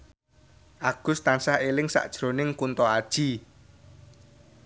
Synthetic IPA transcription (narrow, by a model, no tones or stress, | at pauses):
ʔaɡ̥ʊ̤st̪ansahelɪŋsa̰ʔd̥ʒ̥ɾo̤nɪŋkunt̪ɔad̥ʒ̥i